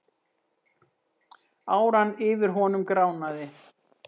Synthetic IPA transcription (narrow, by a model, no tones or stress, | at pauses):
aːwɾanːɪːvɪɾ̥ɦɔnʏmkɾaːwnaðɪ